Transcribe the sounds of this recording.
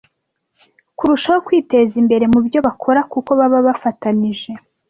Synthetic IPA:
kuɾuʃaho̞kwiːte̞zimbe̞ɾe̞mubjo̞βakʰo̞ɾakuko̞βaβaβafataniʒe̞

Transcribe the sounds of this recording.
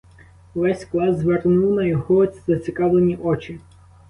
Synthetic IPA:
ʋɛsʲklˠɑzʋernuwnɐjɔɦɔzɐt͡sʲɪkɑʋlˠenʲiʔɔt͡ʃɪ

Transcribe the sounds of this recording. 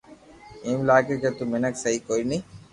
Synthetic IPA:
emlaːkeket̪umenɐksɐɦikoini

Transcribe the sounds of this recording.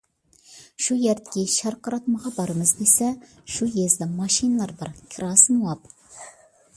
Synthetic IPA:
ʃujæɾt̪kʲeʃɑɾqʰɑɾɑt̪mɑʁɑbɑɾəməzd̪esæ | ʃujezd̪ɪmɑʃijnɑlˠɑɾbɑɾkʲʰɪɾɑsənwɑp

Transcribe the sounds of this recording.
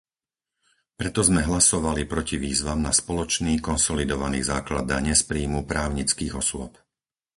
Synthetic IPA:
pɾɛt̪ɔzmɛɦlasɔʋalipɾɔciʋiːzʋamnaspɔlɔt͡ʃniːkɔnsɔlid̪ɔʋanḭːzaːklad̪aɲɛspɾiːmupɾaːʊɲit͡skiːɣɔsʊɔ̰p

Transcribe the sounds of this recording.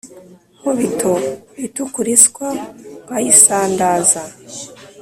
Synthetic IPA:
koβitʰoβitukuɾiskwaβajisaːndaːza

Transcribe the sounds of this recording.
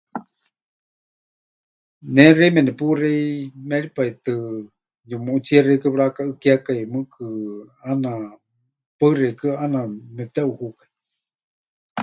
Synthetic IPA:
nɛrejmɛnɛpurɛimɛɾipait̪ɨ | jɨmuʔut͡sierekɨɺakaɨkiakajmɨkʰɨana | pərekɨanamɛt̪ɛuhukai

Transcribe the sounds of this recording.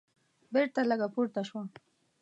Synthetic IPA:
beɾt̪alaɡapuɾt̪aʃwa

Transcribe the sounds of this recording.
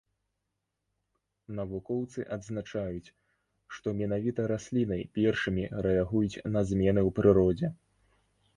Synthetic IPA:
nɐvukɔwt̪sɨʔɐd̪znat͡ʂajut͡sʲ | ʂt̪ɔmʲinavʲit̪ɐɾasʲlʲinɐjpʲɛrʂɨmʲiɾɛaɣujut͡sʲnɐzʲmʲɛnɨwpɾɨɾɔd͡zʲɛ

